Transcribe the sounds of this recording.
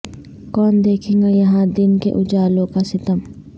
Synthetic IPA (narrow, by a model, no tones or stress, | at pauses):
kɔːnd̪eːkʰẽːŋɡajɐɦãd̪ɪnkḛʔʊd͡ʒaːlõkasɪt̪əm